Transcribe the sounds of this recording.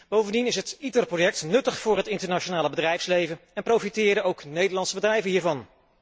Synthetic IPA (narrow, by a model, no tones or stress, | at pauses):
b̥owvəndinɪsɦətitərprojɛk̚tnɵtəχfʊːɹɦətɪntəɹnat͡ʃonaːləbədrɛjfslejvənɛnprowfitɪːɾəowknejdəɹlɑntsəbədrɛjvənɦiːɹvɑn